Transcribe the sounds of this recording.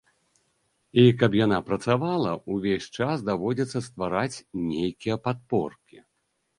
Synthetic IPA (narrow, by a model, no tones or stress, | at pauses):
ikɐpjanapɾɐt̪savalˠɐuvʲesʲt͡ʂasd̪avɔd͡zʲɛt̪sːɐst̪vaɾat͡sʲnʲejkʲijɐpat̪̚pɔ̰rkʲi